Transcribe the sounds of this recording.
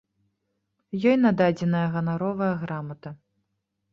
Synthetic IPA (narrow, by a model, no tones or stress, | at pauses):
jɔjnad̪ad͡zʲɛn̪ɐjɐɣɐnaɾɔvɐjɐɣɾamɐt̪ɐ